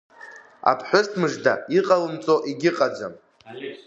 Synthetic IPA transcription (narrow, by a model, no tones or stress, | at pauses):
a̰pʰħʷᶣʊztʰmɨʒdaiqʼalɨmt͡sʼoʔiɡʲɪqʼad͡ʒʷam